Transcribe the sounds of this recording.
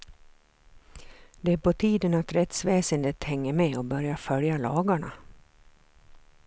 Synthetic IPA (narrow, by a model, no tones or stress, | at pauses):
d̪̥ɛæːɾpɔt̪ʰiːd̪ənat̪ɾɛt̪sveːsənd̪eːt̪hɛŋːəɾmɛɔbœɾjafœljalɑːɡaɳa̰